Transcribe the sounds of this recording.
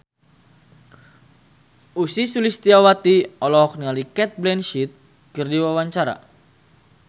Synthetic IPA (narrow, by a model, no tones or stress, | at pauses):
usisulist̪iawat̪iɔlɔɦɔk̚nialikɛt̪̚blɛnʃit̪̚ | kɨrdiwawaɲt͡ʃaɾa̰